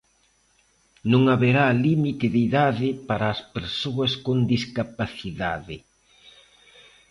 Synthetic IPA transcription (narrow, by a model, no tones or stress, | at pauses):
nõŋaβeɾalimit̪ɪðiðaðɪpaɾaːspeɾsoɐskond̪iskapaθiða̰ðɪ